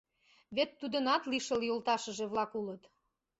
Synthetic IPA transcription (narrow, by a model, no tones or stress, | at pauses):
βet̪ːud̪ənɑt̪liʃəljolt̪ɑʃə̆ʒeβlɑkulət̪